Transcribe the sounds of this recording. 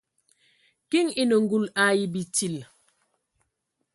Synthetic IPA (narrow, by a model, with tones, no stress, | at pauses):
ki˦ŋi˦nə˨ŋ˦ɡu˦˨la˦ji˦bi˨ti˦˨l